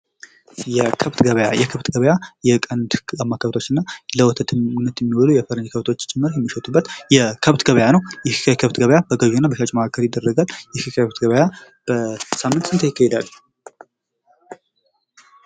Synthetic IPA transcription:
jɛkʰəβt̪ɡəβəja̰jɛkʰəβt̪ɡəβəjajɛkʼənd̪amːakʰəβt̪ʰo̞t͡ʃːɪnːaləwɔt̪ʰət̪ʰɨnːət̪jɛmːiwɔlujɛfəɾənkʰəβt̪ʰo̞t͡ʃːt͡ʃʼɪmːɨɾjɛmːiʃət̪ʼubːət̪jɛkʰəβt̪ɡəβəjanəwjɛhɨ̥kʰajkʰəβt̪ɡəβəjabəɡəʒunːabəʃat͡ʃʼməakʰːəɾjɪd̪ːərːəɡaljɛkɨkəβt̪ɡəβəja | b̥əsamːɨnt̪sɨnt̪ʰəjɪkːahɛd̪alː

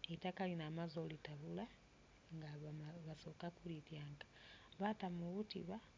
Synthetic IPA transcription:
etakalinamazolitaβula | ŋɡaβasoːkakulitjaːŋɡḁβatamuβutḭβa

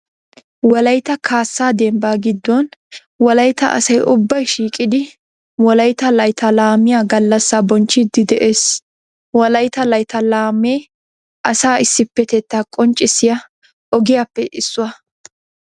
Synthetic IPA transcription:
wɐlɐjt̪ɐkʰaːsːaːd̪ɛmbaːɡɪd̪ːɔn | wɐlɐjt̪ɐʔɐ̰sɐjʔʊbːɐjʃiːkʼɪd̪ɪ | wɔɐlɐjt̪ɐlɐjt̪ɐlaːmɪjaɡɐlːɐsːabɔnt͡ʃːɪd̪ːɪd̪ɛʔeːs | wɐlɐjt̪ɐlɐjt̪ɐlaːmːeː | ʔɐsaːɪsːɪpːɛt̪ɛt̪ːakʼɔnt͡ʃʼːɪsɪjɐ | ʔɔɡɪjapːɛʔɪsːʊwɐ

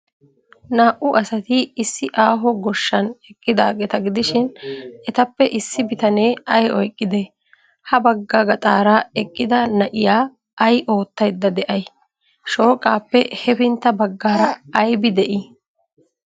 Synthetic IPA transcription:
naːʔʊɐsɐt̪ɪːsːɪʔaːɦɔɡɔʃːɐnɛkʼːɪd̪aːɡɛt̪ɐɡɪd̪ɪʃɪnɛt̪ɐpːɛʔɪsːɪbɪt̪ɐneːɐjɔjkʼːɪd̪e | hɐbɐɡːaɡɐt̪ʼaːɾaːɛkʼːɪd̪ɐnɐʔɪjaː | ʔɐjʔo̞ːt̪ːɐjd̪ːɐd̪ɛʔɐj | ʃo̞ːkʼːaːpːɛhɛbɪnt̪ːɐbɐɡːaːɾɐːjbɪd̪ɛʔɪ

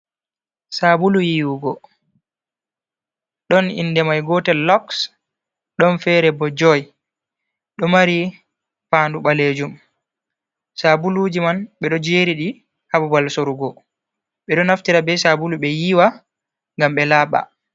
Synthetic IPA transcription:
sabulujiːwuɡɔ | ɗɔnḭndɛmajɡɔtɛlɔks | ɗɔnfɛɾɛbɔd͡ʒɔj | ɗɔmaɾi | paːnduɓaled͡ʒum | sabulud͡ʒimanɓɛɗɔd͡ʒeːɾiɗi | habubalsoɾuɡɔ | ɓɛɗɔnaftiɾabɛsabuluɓɛjiwa | ŋɡamɓɛlaːɓa̰

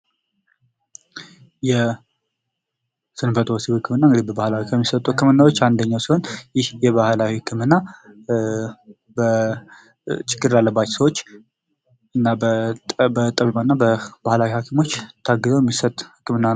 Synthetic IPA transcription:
jɛ | sɨnfət̪wosihɨkʰːɨmɨnːaɨŋɡɨd̪ibəbahlawikʰəmːisət̪ʼuhɨkːɨmɨnːawot͡ʃːand̪əɲːawsihonjɪhjɛβahlawihɨkʰːɨmɨnːa | bə | t͡ʃʼɪɡːɨɾlalːəbːat͡ʃːsəwo̞t͡ʃː | ɨnːabbət̪ʼəβimaɨnːabəbahlawihakʰimo̞t͡ʃːt̪ʰːaɡːɨzəwjɛmːisət̪ʼhɨ̥kʰːɨmɨnːan

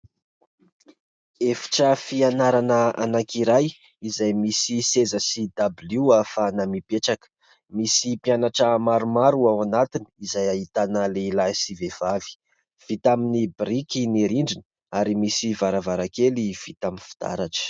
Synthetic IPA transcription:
efi̥ʈ͡ʂəfianaɾanəa̰nakiɾaj | izajmisisezəsid̪abluafanamipeʈ͡ʂakə̥ | misipianaʈ͡ʂəmaɾumaɾuawanat̪ini̥izajaɦit̪anəleilajsivev̥avi̥ | v̥it̪aminibrikiniɾiɳɖ͡ʐinə | aɾimisivaɾavaɾakeliv̥it̪aminfi̥d̪̥a̰ɾaʈ͡ʂə̥

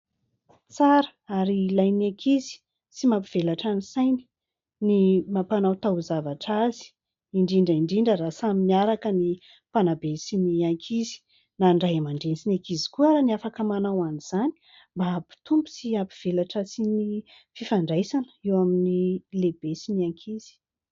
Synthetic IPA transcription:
t͡saɾə̥aɾilajnakʰizi̥ | simapiv̥elaʈ͡ʂanisajni̥ | nimapanawt̪awzavaʈ͡ʂazi̥ | iɳɖ͡ʐiɳɖ͡ʐəiɳɖ͡ʐiɳɖ͡ʐəɾasaminiaɾakəni | panabesiniaŋkʰizi̥ | naɳɖ͡ʐajamaɳɖ͡ʐensinakizi̥kuaɾaniafakəmanawaniz̥ani̥ | mbapi̥t̪umbu̥siapiv̥elaʈ͡ʂəsini | fifaɳɖ͡ʐajsanə̥ewaminileb̥esiniaŋkʰiz̥i̥

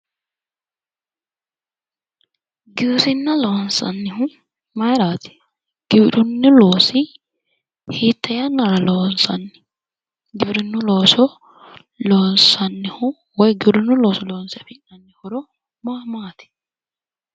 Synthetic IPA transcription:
ɡɪwsɪnːɐloːnsɐ̰nːɪhʊ | mɐjɾaːt̪ɪ̥ | ɡ̥ɪbɪᶑʊnːɪloːsɪ | hiːt̪ʰːɐjɐnːɐɾɐloːnsɐ̰nːɪ̥ | ɡɪbɾɪnːʊloːsɔ | loːnsɐnːɪhʊ | wɔjɡɪbɾɪnːʊloːsɔloːnsɛfɪnɐnːɪhʊɾɔ | maːmaːt̪ɪ̥

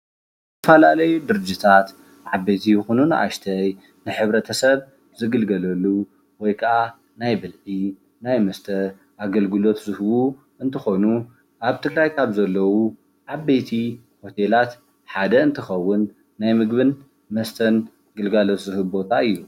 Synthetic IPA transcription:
ɨt̪ʰɐfɐlalɐjud̪ɨɾɨd͡ʒit̪ʰat̪ | ʕabet̪ʰijɨxununɨʔa̰ʃt̪ʰɐj | nɨħɨβɾɐt̪ʰɐsɐβ | zɨɡɨlɡɐlɐlːu | wɔjkʰɐa | najbɨlʕi | najmɐst̪ʰɐ | ʔaɡɐlɡɨlot̪zɨhɨwu | ɨnt̪ʰɨxo̞nu | ʔaβt̪ʰɨɡɾajkʰaβzɐlːɐwu | ʕabet̪ʰi | ho̞t̪ʰelat̪ | ħad̪ɐɨnt̪ʰɨxɐwːʊnː | ajmɨɡβɨn | mɐst̪ʰɐn | ɡɨlɡalot̪zɨhɨbo̞t̪ʰaɨjːu

